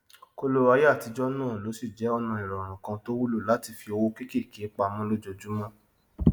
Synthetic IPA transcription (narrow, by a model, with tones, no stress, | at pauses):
ko˧lo˦ɾa˧˦ja˦˨ti˨˧˦d͡ʒɔ˦nãː˦˨lo˨˦si˦˨d͡ʒɛ˨˦ɔ˧nã˧i˨ɾɔ˨ɾ̃ɔ̃˨kã˧to˦wu˦lo˦˨la˨˦ti˧fi˧o˧wo˦ke˦ke˦˨ke˨˦k͡pa˧mɔ̃˦lo˦d͡ʒɔ˧d͡ʒu˦mɔ̃˦